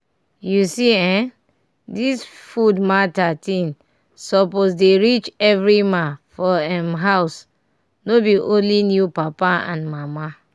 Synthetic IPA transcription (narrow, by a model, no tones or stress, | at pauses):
jusiɛ̃ | disfudmatatĩn | sɔposdeɹit͡ʃɛvɹimafɔɛmɦaʊs | nobiʔõnlinjupapaã̰nmama